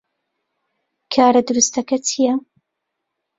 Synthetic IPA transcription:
kʰaːɾɐd̪ʊɾust̪ɐkɐtʰijɐ

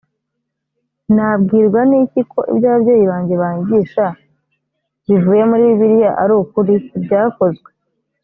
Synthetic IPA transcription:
nabɡiːɾɡwanicikʰo̞ʔḭbjaːβabɟo̞ːjiβaːɲɟe̞βaːɲɟiːʃa | βivuːje̞muɾiːβiβiɾijaʔaɾuːkuɾibɟaːko̞zɡwe̞

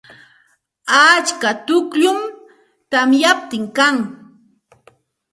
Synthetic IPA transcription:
at͡ʃkat̪ʊkʎʊm | t̪amjap̚t̪ɪŋkaŋ

